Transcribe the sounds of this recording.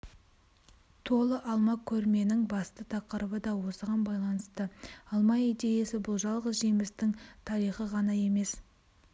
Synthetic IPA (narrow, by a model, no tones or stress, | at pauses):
t̪ʰo̞lˠəʔɑlˠmɑkʲʰːɵɾme̞nɪŋbɑst̪ət̪ʰɑqəɾəbəd̪ɑwo̞səʁɑnbɑjlˠɑnəst̪əɑlˠmɑijd̪e̞jesɪbʊlˠʒɑlˠʁəzʒemɪst̪ɪŋt̪ʰɑɾijχəʁɑnɑje̞me̞s